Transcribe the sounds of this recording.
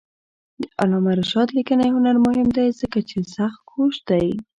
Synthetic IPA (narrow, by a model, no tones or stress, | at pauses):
d̪əʔalɑmaɾʃɑd̪likənajɦʊnaɾmʊɦɪmd̪ajzəkat͡ʃesaxt̪̚kʰoʃd̪aj